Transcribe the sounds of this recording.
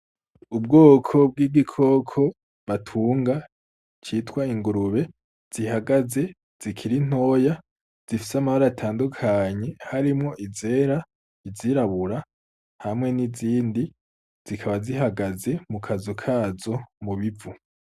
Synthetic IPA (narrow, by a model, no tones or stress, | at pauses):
ubɡoːkʰo̞b̚ɡiːɡikʰo̞kʰo̞ | βatʰuːŋɡa | t͡ʃitwaiŋɡuɾuβe̞ | z̥iɦaɡaze̞ | z̥ikʰiɾin̥o̞ːja | z̥ifi̥samaβaɾaatʰaːndukʰaɲe̞haɾimŋo̞ʔize̞ːɾa | iziɾaβuɾa | hamŋe̞niziːndi | z̥ikʰaβaziɦaɡaze̞mukʰazukʰaːzo̞muβivu